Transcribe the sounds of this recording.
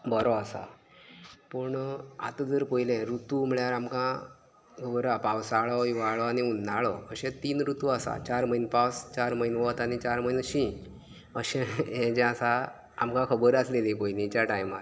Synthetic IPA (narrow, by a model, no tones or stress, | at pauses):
bəɾɔasa̰ | pəɳa̰t̪d͡zəɾpəjlɛ̃ɾut̪um̤əɭjaɾamkã | kʰəbəɾapawsaɭɔiʋaɭɔaniund̪ʱaɭɔəɕɛ̃t̪iːnɾut̪uasa̰t͡ɕaɾməinpawst͡ɕaɾməinʋɔt̪anit͡ɕaɾməinɕĩ | əɕɛ̃ɛ̃d͡ʑɛ̃asaː | mkãkʰəbəɾaslelipəjnĩt͡ɕaʈajma̰ɾ